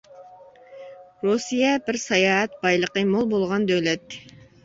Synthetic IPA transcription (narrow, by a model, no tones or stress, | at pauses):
ɾosijɛbɪɾsɑjɑːɛt̪̚bɑjlˠəqəmolˠbolˠʁɑnd̪ølɛt̪ː